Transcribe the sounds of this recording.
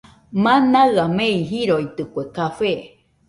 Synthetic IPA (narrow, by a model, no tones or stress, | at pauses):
mãnaɨameiɦiɾoit̪ɨkʷekafe